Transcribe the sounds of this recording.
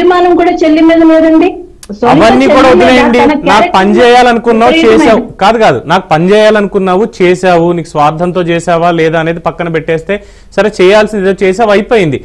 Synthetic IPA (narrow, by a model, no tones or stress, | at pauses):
ɾimaːnɐmkuːɽaːt͡ʃelːimiːd̪ɐlɛːd̪ɐɳɖi | sɐɐʋɐnːiːkuːɽaːud̪inaːjɐɳɖiɐnaːkpɐnd͡ʒɛːjaːlɐnukunːaːʋt͡ʃɛːaːkaːd̪ukaːd̪unaːku̥pɐɲd͡ʒɛːjaːlɐnukunːaːʋut͡ʃɛːʃaːwuniːku̥sʋaːɾd̪ʱɐnt̪o̞ːt͡ʃɛːʃaːʋaːlɛːd̪aːne̞ːd̪ipɐkːɐnɐpɛʈːɛːst̪e̞ː | sɐɾet͡ʃɛːjaːlsind̪id̪oːt͡ʃɛːsaːʋɐjpoːjind̪i